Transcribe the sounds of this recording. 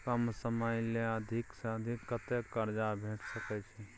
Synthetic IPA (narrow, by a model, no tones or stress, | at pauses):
kəmsəməjleəd̪ʱɪksəd̪ʱɪkːət̪ekːəɾd͡ʒabʱeːʈʰsəkɛt͡ʃʰi